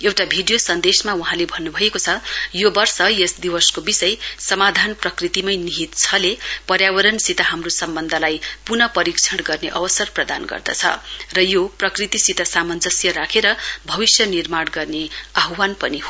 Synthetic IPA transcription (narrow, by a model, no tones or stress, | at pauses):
ewʈabʱiɖijosʌnd̪esmauɦãlebʱʌnːubʱʌekot͡sʰʌjobʌrsʌjesd̪iwʌskobisʌjsʌmad̪ʱanprʌkrit̪imʌjniɦit̪t͡sʰʌlepʌɾjawʌɾʌnsit̪aɦamrosʌmbʌnd̪ʱʌlajpunʌpʌɾikt͡sʰʌɽɡʌrneʔʌwʌsʌrprʌd̪anɡʌ̰rd̪ʌ̰t͡sʰʌ̰rʌjoprʌkrit̪isit̪asamʌnd͡zʌsjʌɾakʰeɾʌbʱʌbisjʌnirmaɽɡʌrneaɦwanpʌni